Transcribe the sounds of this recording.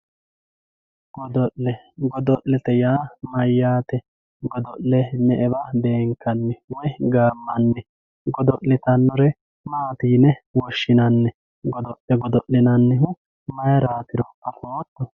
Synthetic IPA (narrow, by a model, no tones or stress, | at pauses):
ɡ̥ɔd̪ɔʔlɛ | ɡɔd̪ɔʔlɛt̪ɛjaːmɐjːaːt̪ɛ | ɡɔd̪ɔʔlɛnɛʔɛbɐbe̞ːŋkːɐnːɛwɔjɡaːmːɐnːɛ | ɡɔd̪ɔʔːɪt̪ɐnːɔɾɛ | maːt̪iːnɛwɔʃːɪnɐnːɛ | ɡɔd̪ɔʔɛɡɔd̪ɔʔːɪnɐnːɪɦʊ | mɐjɐɾaːt̪ɪɾɔɐfoːt̪ːɔ